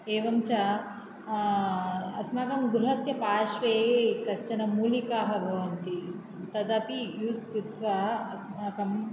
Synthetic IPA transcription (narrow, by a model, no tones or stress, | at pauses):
eːʋɐmt͡ʃa | ɐsnaːkɐmɡɾuɦɐsjɐpaːʂʋeːkɐst͡ʃɐnɐmuːlikaːɦɐbʱɐʋɐnt̪i | t̪ɐd̪ɐpijuːskɾut̪ʋaɐsnaːkɐm